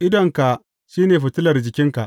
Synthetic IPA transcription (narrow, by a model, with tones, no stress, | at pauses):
ʔɪ˦dɐ˨ŋka˨ | ʃiː˦neː˨ɸʊ˨tɪ˦lɐ˨rd͡ʒɪ˨kʲɪ˦ŋka˨ʔ